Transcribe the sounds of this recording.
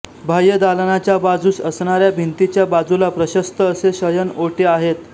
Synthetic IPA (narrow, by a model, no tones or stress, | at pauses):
bʱajəd̪alənat͡ɕjabad͡zuːsəsɳaɾjabʱint̪it͡ɕjabad͡zulapɾəɕəst̪əːseɕəjənoʈeaɦet̪